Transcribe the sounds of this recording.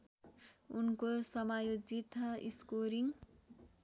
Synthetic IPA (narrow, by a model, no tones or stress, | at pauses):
unkosʌmajod͡zit̪ḭskoɾiŋ